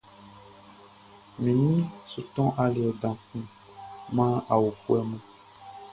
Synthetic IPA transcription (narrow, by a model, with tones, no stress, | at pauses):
mĩ˨nĩ˦su˨t̪ɔ̃˦ʔa˨le˨ɛ˨dã˨kũ˦ | mã˦a˨wo˨fu˦ɛ˦mɛ̃˨